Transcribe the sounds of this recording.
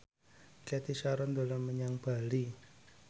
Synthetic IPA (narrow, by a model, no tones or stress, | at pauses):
kɛt̪isaɾɔnd̪o̤laməɲaŋb̥a̤li